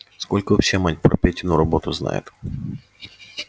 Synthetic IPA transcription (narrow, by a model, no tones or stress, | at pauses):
skolʲkəʊfsʲemanʲpɾɐpʲetʲɪnʊɾɐbo̞t̪ʊzna̰jʊ̰t̪